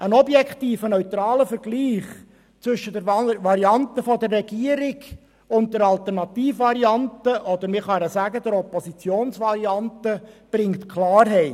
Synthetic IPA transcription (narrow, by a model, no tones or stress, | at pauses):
ʔənɔbjɛktiːfənœʏt̪ɾɑːləfəɾɡ̥liːχ | t͡sʋʏʃəd̥ɛɾvɑɾiɑntəfɔdərːɛɡ̥iəɾɪɡ | ʊnt̚d̥ɛɾɑlt̪əɾnɑt̪iːfvɑɾiɑntəʔɔd̪əɾmɪχɑɾəsæɡədəɾɔpɔsit͡sjoːnsvɑɾiɑntəb̥ɾɪŋtkʰχlɑːrɦɛɪ